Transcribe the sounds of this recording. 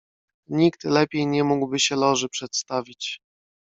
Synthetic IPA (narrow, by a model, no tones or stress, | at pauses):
ɲikt̪lɛpʲjejɲɛmuɡwbɘɕɛlɔʐɘpʂɛt̪st̪avʲit͡ɕ